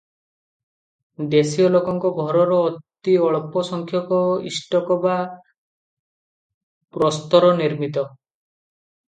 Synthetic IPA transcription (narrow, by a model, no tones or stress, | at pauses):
d̪esiɔlokɔŋkɔɡʱɔɾɔɾɔːt̪iɔɭɔpɔsɔŋkʰjɔkɔḭsʈɔkɔba | pɾɔst̪ɔɾɔniɾmit̪ɔ